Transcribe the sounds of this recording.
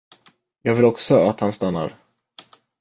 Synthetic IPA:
jɑːɡvɪlɔksɔat̪hanst̪anːa̰ɾ

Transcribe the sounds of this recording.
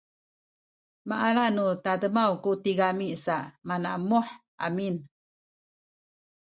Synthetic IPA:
maʔalanut̪adəmawkutiɡamisaʔmanamuħʔa̰min

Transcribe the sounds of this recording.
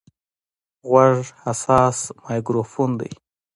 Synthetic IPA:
ɣwaʐhasɑːsmɑjɡɾofund̪a̰j

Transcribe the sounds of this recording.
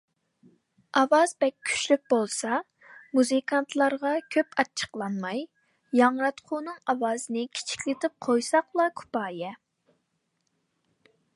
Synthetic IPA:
ʔɑwɑzbɛkʲʰːy̥ʃlyk̚ʲbolˠsɑ | muzɨkʰɑnt̪ʰlˠɑɾʁɑkʲʰøpɑt͡ʃʰə̥qlˠɑnmɑj | jɑŋɾɑt̪qʰʊnɨŋɑwɑːzɨnɨkʲʰi̥t͡ʃʰi̥kʲlɪt̪ʰɪp̚qʰojsɑqlˠɑkʰu̥pɑːjɛ

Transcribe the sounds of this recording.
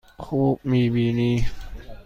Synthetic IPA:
kʰuːmiːbiːniː

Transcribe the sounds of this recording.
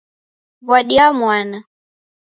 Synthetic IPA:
βwaɗiamwana

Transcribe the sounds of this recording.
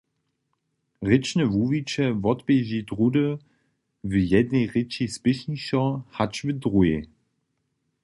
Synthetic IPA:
ʁɪt͡ʃnəvuvit͡ʃɛvɔtbeʑidʁudə | vəjɛdnejʁɪt͡ʃispɪʃniʃɔhat͡ʃvədʁue

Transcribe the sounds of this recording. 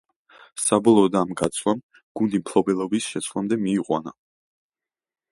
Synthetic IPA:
sabɔlˠɔːd̪amɡat̪sʰwlam | ɡ̥und̪impʰlˠɔbɛlˠɔbisʃɛt̪sʰlˠamd̪ɛmiːqʼwa̰na̰

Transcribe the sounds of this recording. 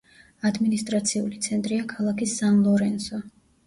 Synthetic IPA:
ad̪minist̪ʼɾat̪sʰiṵlit̪sʰɛnt̪ʼɾiakʰalˠakʰisanlˠɔɾɛnsɔ

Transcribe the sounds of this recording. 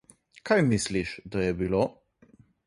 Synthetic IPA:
kʰajmisliʃd̪ajɛbilo

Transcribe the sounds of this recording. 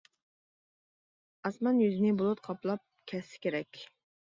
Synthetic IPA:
ɑsmɑnjyzɪnɪbolˠʊt̪̚qʰɑplˠɑp̚kʲʰɛsːɪ̥kʲʰeɾɛkʲ

